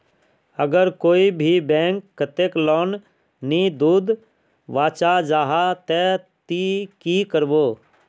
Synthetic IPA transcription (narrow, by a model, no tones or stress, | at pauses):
əɡəɾkoːibʱibɛ̃ːŋkːət̪eːklɔːn | nid̪uːd̪ | ʋaːt͡ʃad͡ʒaːɦat̪ɛt̪ikikəɾboː